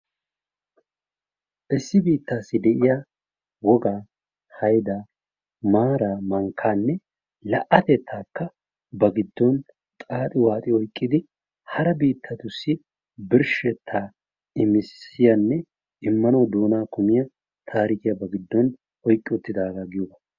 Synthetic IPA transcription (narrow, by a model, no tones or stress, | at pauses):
ʔɪsːɪbiːt̪ːaːsːɪd̪ɛʔɪjɐ | wɔɡaː | hɐjd̪aː | maːɾaːmɐŋkʰːaːnːɛ | lɐʔɐt̪ɛt̪ʰːaːkːɐ | bɐɡɪd̪ːɔn | t̪ʼaːt̪ʼɪwaːt̪ʼɪɔjkʼːɪd̪ɪ | hɐɾɛbiːt̪ːɐt̪ʊsːɪ | bɪɾʃɛt̪ʰːaː | ɪmɪsːɪjɐnːɛ | ʔɪmːɐnɐwd̪oːnaːkʊmɪjɐ | t̪ʰaːɾɪkɪjɐbɐɡɪd̪ːɔn | ɔjkʼːɪʊt̪ːɪd̪aːɡaɡɪjɔbɐ